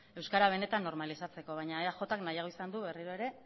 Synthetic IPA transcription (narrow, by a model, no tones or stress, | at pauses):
e̞wskaɾaβ̞e̞ne̞t̪anːo̞ɾmalisat͡se̞ko̞β̞ajɲaaxo̞t̪aknajaɣ̞o̞isand̪uβe̞riɾoe̞ɾe̞